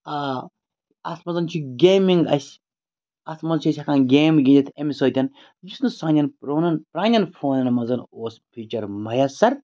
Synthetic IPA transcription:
aː | ɐ̰t̪ʰmɐnzɐnt͡ʃʰuɡʲeːmiŋɡɐ̰sʲ | ɐt̪ʰmɐzt͡ʃʰiɐsʲhɐkʰaːnɡʲeːmɡʲind͡ʒɐt̪ʰemʲisoːt̪ʲɐn | jisnusaːnʲɐnpɾoːnɐnpɾaːnʲɐnfʰoːnɐnmɐnzɐnoːspʲʰit͡ʃɐɾmɐjɐsɐɾ

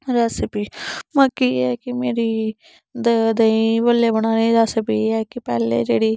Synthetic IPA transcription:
ɾɛːsɪpiːməkiːɛːkɪmeːɾiː | d̪əd̪əĩːʋəlːeːbəɽ̃aːniːd͡ʒaːsəpiːɛːkɪpɛːlḛːd͡ʒḛːɽiː

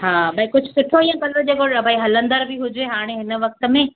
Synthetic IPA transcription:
ɦaːbʱaikʊd͡ʑʱʊsʊʈʰoijãkɐlod͡ʑekoɽbaːiɦɐlə̃nd̪əɾbʱiɦʊd͡ʑeɦaːɽ̃eɦɪn̆ʋɐk̚t̪ə̆mẽ

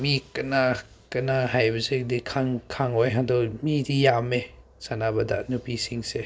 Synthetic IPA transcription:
mikɐna | kɐnahajbɐsek̚dikʰaŋkʰaŋojɦadɔmidijame | sanabɐda̰nupisiŋse

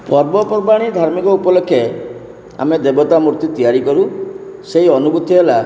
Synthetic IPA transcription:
pɔɾbɔpɔɾbaɽ̃id̪ʱaɾmikɔupɔlɔkʰːje | a̰med̪ebɔt̪amuɾt̪it̪ijaɾikɔɾuseɦiɔnubut̪ʰiɦela

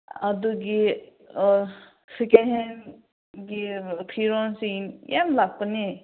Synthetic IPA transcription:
ad̪uɡi | sikeɦen | ɡipʰiɾɔnsinjamlaɡ̚pəni

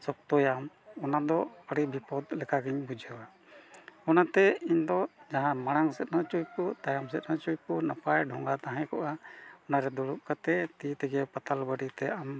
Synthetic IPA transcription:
sɔk̚t̪ɔjam | ɔnad̪ɔəɽibʱipɔd̪lɛkʰaɡiɲbud͡ʒʱəwa | ɔnat̪ɛiɲd̪ɔd͡ʒaɦãmaɽ̃aŋsɛt̪̚nɔt͡ʃujpɔt̪ajamsɛt̪̚ˀnɔt͡ʃujpɔnapajɖʱɔŋɡat̪aɦɛ̃kɔʔaɔnaɾɛd̪ɔɽup̚kat̪ɛt̪it̪ɛɡɛpat̪albəɖit̪ɛam

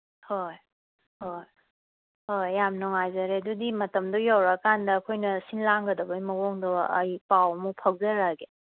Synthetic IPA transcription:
hoj | hoj | hojːamnɔŋajzɐɾeɐdudimɐtɐmdɔjawɾakandɐːkʰojnɐsinlaŋɡɐdɐbɐjmɐɡoŋdɔɐjpawmupʰɐk̚zɐɾaɡe

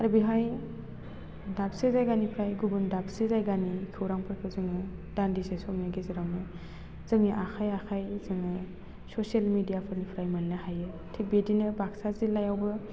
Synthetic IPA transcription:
aɾbiɦaj | dap̚sezajɡanipʰɾajɡubɯndap̚sezajɡanikʰɯwɾaŋpʰɯɾkʰɯzɯŋɯd̥andisesɔmnaɡezeɾawnɯ | z̥ɯŋiʔaxʰajakʰajzɯŋɯ | sosalmidijapʰɯɾnipʰɾajmannahajɯ | tʰik̚bedinɯbaksazilajawbɯ

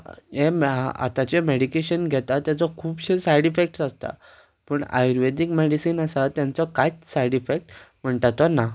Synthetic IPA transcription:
ea̰t̪at͡ɕemeɽikeɕənɡʱɛt̪at̪jat͡sɔkʰuːbɕesajɽifek̚ʈsast̪a̰ | pəːɳa̰jɾʋed̪ikmeɽisiːnasat̪jãnt͡sɔkajsajɽifek̚ʈm̤əɳʈ̪at̪ɔna

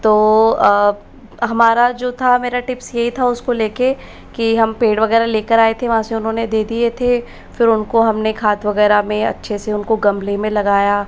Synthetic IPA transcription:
t̪oː | ɦɐmaːɾad͡ʒoːt̪ʰameːɾaʈɪpsjɐɦit̪ʰaʊskoleːke | kiɦɐmpeːɽɖʋɐɣɛːɾaleːkəɾaːet̪ʰeʋɐɦãːseʊnɦõːned̪eːd̪iet̪ʰe | fɪɾʊnkoɦɐmnekʰaːt̪ʋɐɣɛːɾamẽɐ̰tːʃʰeseʊnkoɡɐ̃mlemẽlɐɡaːjaː

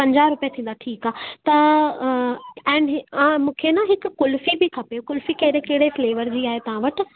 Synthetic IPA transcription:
pɐ̃ɲd͡ʑaːɾʊpijat̪ʰĩːn̆d̪aʈʰiːkaːɦt̪ɐ | ɛ̃ːnɪɦãːmũːkʰenaɦɪkʊ̆ːʊlfibɪkʰɐpeokʊlfikɐɦɪɾekɐɦɪɽefleːʋəɾd͡ʑiːaːɦet̪ɐʋ̤ãʋɐʈ̆

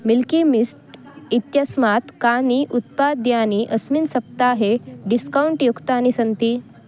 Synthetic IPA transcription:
milkimisʈ | it̪jasmat̪kaniʔut̪̚pad̪janiʔəsminsəp̚t̪aɦeɖiskauɳʈjukt̪anisənt̪iː

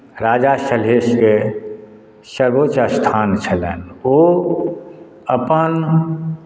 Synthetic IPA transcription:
ɾaːd͡ʒaʃəlɦeːʃke | səɾɡot͡ʃəst̪ʰaːnt͡ʃʰəlḛːno | əpən

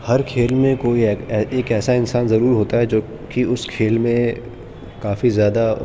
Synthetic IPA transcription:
hɐɾkʰeːlmẽkoːiɛeːkɛːsaɪnsaːnzɐɾuːɾɦoːt̪aɦɛd͡ʒoː | kiʊskʰeːlmẽ | kaːfizjaːd̪a

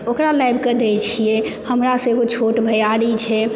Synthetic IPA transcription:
okɾalajbʱked̪et͡ʃʰijɛhəmɾasə̃eɡot͡ʃʰoʈbʱəjaɾit͡ʃʰɛ

